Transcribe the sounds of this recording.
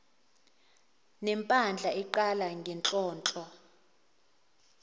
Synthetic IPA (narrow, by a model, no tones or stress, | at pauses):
nɛmpʼand͡ɮʱaɛǃalaŋɡʱɛnt͡ɬʼɔːnt͡ɬʼɔ